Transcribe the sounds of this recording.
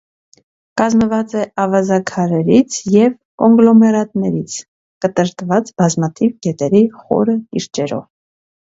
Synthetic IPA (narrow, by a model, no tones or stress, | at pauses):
kɑzməvɑt͡sɛʔɑvɑzɑkʰɑɾɛɾit͡sʰjɛv | kɔŋɡlɔmɛɾɑt̪nɛɾit͡sʰ | kət̪əɾt̪vɑt͡sbɑzmɑt̪ʰivɡɛt̪ɛɾiχɔ̰ɾəkiɾt͡ʃɛɾɔ̰v